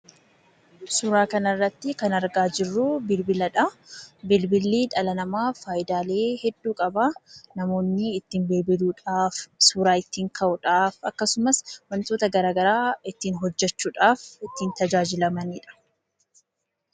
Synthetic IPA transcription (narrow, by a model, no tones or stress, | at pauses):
suːɾaːkɐnɐrːɐt̪ːɪkɐnɐɾɡaːd͡ʒɪrːuːbɪlbɪlɐᶑɐbɪlbɪlːiːᶑɐlɐnɐmaːfaːʔɪd̪aːle̞ːhɛd̪ːuːkʼɐbanɐmo̞ːnːɪːt̪ːɪmbeːbɪluːᶑaːfsuːɾaːɪt̪ːiːŋkʰɐʔʊᶑaːfɐkːɐsʊmɐsmɐnt̪oːt̪ɐɡɐɾaːɡɐɾaːɪt̪ːiːnɦɔd͡ʒːɛt͡ʃːuːᶑaːfɪt̪ːiːnt̪ɐd͡ʒaːd͡ʒɪlɐmɐniːᶑɐ̥